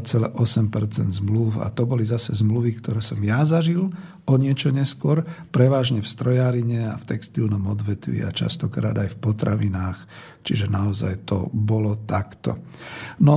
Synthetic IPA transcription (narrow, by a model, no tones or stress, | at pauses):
t͡sɛlɛ̰ʔɔsɛmpɛɾt͡sɛ̰nd̪zmluʊa̰t̪ɔbɔlizasɛzmluʋikt̪ɔɾɛːsɔmjazaʒil | ɔɲɪɛt͡ʃɔɲɛskʊɔɾpɾɛʋaːʒɲɛfst̪ɾɔjaːɾiɲɛa̰ft̪ɛkst̪ilnɔmɔd̪ʋɛt̪ʋḭa̰t͡ʃa̰st̪ɔkɾa̰ːd̪ajfpɔt̪ɾaʋinaːx | t͡ʃiʒɛnaɔza̰jt̪ɔ̰bɔlɔt̪akt̪ɔ̰ | nɔ